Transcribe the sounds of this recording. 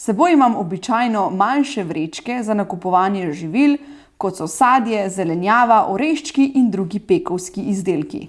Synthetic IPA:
sɛboːjimamɔbit͡ʃajnɔmanʃɛʋɾet͡ʃkɛzanakupɔʋaːnjɛʒiʋil | kɔt̪sɔsaːd̪jɛzɛlɛnjaːʋaʔɔɾeʃt͡ʃkiʔind̪ɾuːɡipeːkɔwskiʔizd̪eːlkḭ

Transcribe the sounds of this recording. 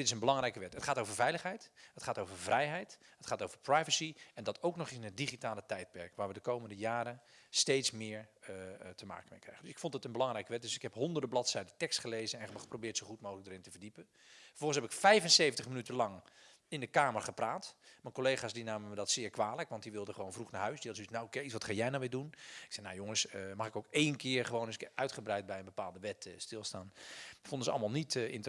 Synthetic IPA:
dɪtɪsənbəlɑŋrɛjkəʋɛtətχaːtowvəɹvɛjləχɦɛjthətχaːtowvəɹvrɛjɦɛjt | ətχaːtowvəprajvəsiɛndɑtʰowknɔχɪɪnɦət̚diχitaːlətɛjt̚pɛɹkʋaːɹʋədəkowməndəjaːɾəstejtsmɪːɹ | təma̰ːkəmejkrɛ̰jxəndɵsɪkfɔntɪtənbəlɑŋrɛjkəʋɛt̚dɵsɪkɦɛpɦɔndərdəblɑtsɛjdəntɛkstχəlejzənɛnbχə̥probɪːtsoχutmowələɡdəɾɪntəvərdipən | fər̥fɔlˠəsɦɛpɪkfɛjvənsejvən̩təχmənytəlɑŋ | ɪndəkaːmərχəpraːtmakolejχaːsdinaːməʋədɔtsɪːɹkʋaːləkʋɑntdiʋɪlˠdəχəʋownvruxnaɹɦœɥsdilˠsytnawkesʋɑtχajɛjnawʋɪːdunɪksɛnawjoŋəsəmɑχɪkowkejnkɪːrχəʋowndøsɪkœɥtχəbrɛjt̚bɛjənbəpaːlˠdəʋɛtstɪlˠstaːnfondəzəɑ̰lˠmalˠnitɪ̰nt

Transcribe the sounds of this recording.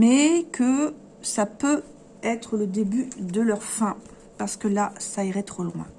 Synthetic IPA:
mɛkʰə | sapø | ɛt̪χələd̪ebyd̪əlœʁfɛ̃ | paʁsə̥kəlasaiʁɛt̪χolwɛ̰̃

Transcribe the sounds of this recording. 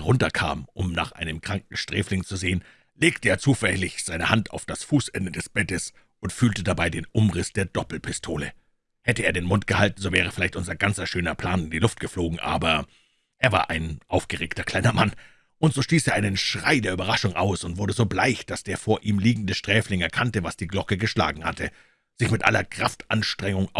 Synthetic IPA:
ʁʊntɐkʰa̰ːmʔʊmna̰ːχʔa̰ɪnəmkʁ̥aŋk̚ŋ̩ʃtʁ̥ɛ̰ːflɪŋt͡suzeːən | leːktəeːɐt͡suːfɛlɪçz̥aɪnəhantʰa̰ʊfd̥asfuːsʔɛndədɛsb̥ɛtəs | ʔʊntfyːltədabaɪdeːnʔʊmʁɪsd̥eːɐd̥ɔpl̩pʰɪstʰoːlə̰ | hɛtəʔeːɐɾeːnmʊntɡ̥əhaltn̩zoːvɛːʁ̞əfɪlaɪçtʔʊnzɐɡant͡sɐʃøːnɐpʰl̥aːnɪndilʊft̚ɡ̥əfloːɡŋ̩ʔa̰ːbɐ | ʔeːɐva̰ːɐʔaɪnʔaʊfɡ̥əʁeːktɐkl̥aɪnɐman | ʔʊntz̥oːʃtiːseːɐʔaɪnənʃʁ̥aɪdeːɐybɐʁaʃʊŋʔa̰ʊsʊntv̥ʊɐdəzoːblaɪçd̥asd̥eːɐfoːɐʔiːmliːɡŋ̩dəʃtʁ̥ɛːflɪŋɛɐkʰantəvasd̥iːɡlɔkəɡəʃla̰ːɡŋ̩hatə | z̥ɪçmɪtʔa̰lɐkʁ̥a̰ftʔanʃtʁ̥ɛŋʊŋ

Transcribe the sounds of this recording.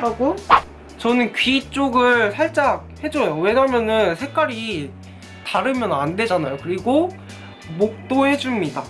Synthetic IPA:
ɾaɡo | t͡ɕʌnɯnkɥiːt͡ɕ͈oɡɯɭsʰaɭt͡ɕ͈ak̚he̞d͡ʑojowe̞ɲamjʌnɯnsʰe̞k͈aɾi | taɾɯmjʌnande̞d͡ʑanajokɯɾiɡo | mok̚t͈ohe̞d͡ʑumɲida

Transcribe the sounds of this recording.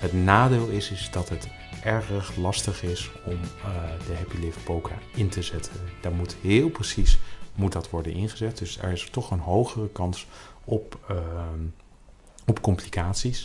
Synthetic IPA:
ɦətnaːdeːlˠɪsɪsdɑtɦət | ʔɛɹrəχlɑstəχɪs | ɔmdəɦɛpilɪf̚powkʰa̰ːɪntəzɛtʰənd̥aːɹmutɦɪːlˠprəsismut̚dɑtʋɔɹdənʔɪnχəzɛt̚d̥ɵsɛ̰ɹɪstɔχənɦowχərəkɑns | ɔp | ɔpkɔmplikaːtsis

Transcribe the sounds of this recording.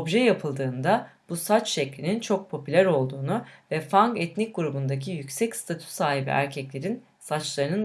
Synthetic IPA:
obʒɛjapʰɯlˠd̪ɯːnd̪ab̥usat͡ʃʃɛclʲinint͡ʃʰo̞k̚pʰo̞pʰylʲæɾo̞lˠd̪uːnuvɛfaŋkɛt̪nic̚ɡuɾubund̪ac̬ʰijycʲsɛcst̪ʰat̪ʰy̥saːɦibḭʔæ̰ɾcʰɛclʲe̞ɾin | sat͡ʃlˠaɾɯnɯn

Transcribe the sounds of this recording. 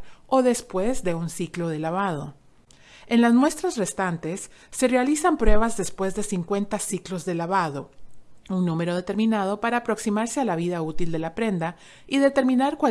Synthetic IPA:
o̞ðe̞spwe̞zðe̞unsiklo̞ð̞e̞laβaðo̞ | e̞nlazmwe̞st̪ɾazre̞st̪ant̪e̞sːe̞re̞alisampɾwe̞β̞azðe̞spwe̞zðe̞siŋkwe̞nt̪asiklo̞zðe̞laβaðo̞uŋnũme̞ɾo̞ðe̞t̪e̞ɾmĩnað̞o̞paɾaːpɾo̞ksimaɾse̞alaβ̞iðaut̪ild̪e̞lapɾe̞nd̪a | iðe̞t̪e̞ɾmĩnaɾkwa

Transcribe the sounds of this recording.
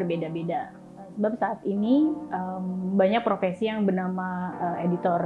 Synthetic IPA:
ərbedabeda | əsəbap̚saːt̪iniəmbaɲak̚pɾofesijaŋbənamaəedit̪ɔr

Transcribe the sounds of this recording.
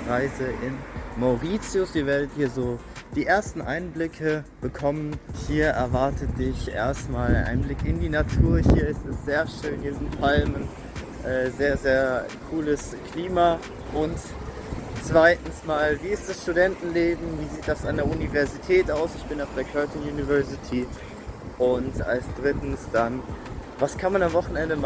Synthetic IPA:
ʁaɪzəʔɪnmaʊʁiːt͡sjʊsviːɐveːɐdəthiːɐzoː | d̥iːʔeːɐstn̩ʔa̰ɪnblɪkʰəb̥əkʰɔmənhiːɐʔɛɐvaɐtʰəd̥ɪçʔḛːɐstmaːlaʔa̰ɪnblɪkɪndiːnatʰuːɐhiːɐɪstɛstz̥eːɐʃøːnhiːɐzɪntpʰalmən | ʔɛːzeːɐzeːɐkʰuːləs | kʰliːmaː | ʔʊnt | t͡sv̥aɪtn̩smaːlviːɪst̚d̥asʃtudɛntn̩leːbm̩viːziːt̚d̥asandeːɐʔunivɛɐzitʰɛːtʔaʊsɪçb̥ɪnaʊfd̥eːɐkʰœɐtʰənjuːnivɛɐzitʰi | ʔʊnta̰lsd̥ʁɪtn̩sd̥anvaskʰanmanamvɔχn̩ɛndəma

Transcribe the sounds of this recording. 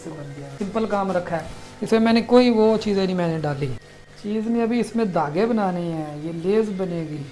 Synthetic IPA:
sɪ̃mpəlkaːmɾəkʰːaɛːɪsmẽːmɛ̃ːnẽːkoːiːʋoːt͡ʃiːzenĩːmɛ̃ːnẽːɖaːliː | t͡ʃiːznĩːəbiːɪsmẽːd̪aːɡeːbənaːneːɛːjeːleːzbəneːɡiː

